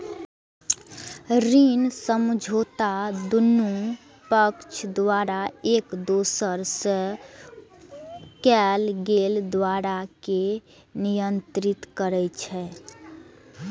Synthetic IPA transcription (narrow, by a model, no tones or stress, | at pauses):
ɾinsəmd͡ʒʱot̪ad̪unːu | pəkt͡ʃʰd̪ʋaɾaekd̪osəɾsə | kɛlɡeld̪ʋaɾake | nijənt̪ɾit̪kəɾɛt͡ʃʰɛ